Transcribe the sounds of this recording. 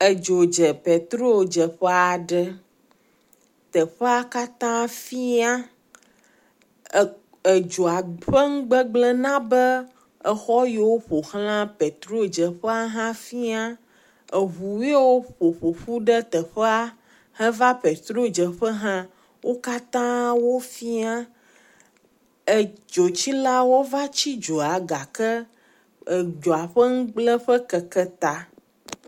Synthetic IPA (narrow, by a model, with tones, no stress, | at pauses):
ə˨d͡ʒo˨d͡ʒə˨pe˨t̪ɾo˦d͡ʒə˨ɸə˦a˨ɖə˦ | t̪ə˨ɸə˦a˦ka˦t̪ã˦fi˦a˦ | ə˨d͡ʒo˨a˨ɸə˦ŋ̩˦ɡ͡bə˦ɡ͡blə˦nã˦bə˦ | ə˨xɔ˦je˨wo˦ɸo˨xl̃ã˦pɛ˨t̪ɾo˦d͡ʒə˨ɸə˦a˦ɦã˦fi˦a˦ | ə˨ɦu˨we˦wo˦ɸo˨ɸo˨ɸu˦ɖə˦t̪ə˨ɸə˦a˦ | hə̃˦va˦pe˨t̪ɾo˦d͡ʒə˨ɸə˦ɦã˦ | wʔo˦ka˦t̪ã˦wo˦fi˦a˦ | ə˨d͡ʒo˨t͡ɕi˦la˦wo˦va˦t͡ɕi˦d͡ʒo˨a˨ɡa˨kə˦ | ə˨d͡ʒo˨a˨ɸə˦ŋ̩˦ɡ͡blə˦ɸə˦kə˨kə˦t̪a˨